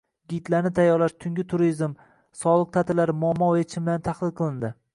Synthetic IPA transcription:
ɡʲit̪laɾnɪt̪ʰajːɒɾlaʃt̪ʰʊŋɡʲɪt̪ʰʊɾizm | sɒlˠɨq̚t̪ʰat̪ʰɪlaɾmʊamːɒwet͡ʃʰɪmbɪlant̪ʰaχlˠɪlˠqʰɨlˠɪnd̪ɪ

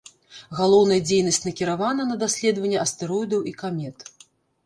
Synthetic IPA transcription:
ɣalˠɔwn̪ɐjɐd͡zʲejnɐsʲt͡sʲnɐkʲiɾavanɐnɐd̪asʲlʲɛd̪vɐnʲːɛɐst̪ɨɾɔjd̪ɐwikamʲɛt̪

